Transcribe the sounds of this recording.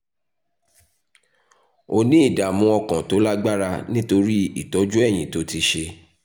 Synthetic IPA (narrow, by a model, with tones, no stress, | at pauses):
o˧nĩ˦i˦˨da˨mũ˧ɔ˧kã˨to˨˦la˦ɡ͡ba˦ɾa˧nĩ˦to˧ɾi˦i˦˨tɔ˨˦d͡ʒu˦ɛ˦˨j̃ĩ˨to˨˦ti˧ʃe˧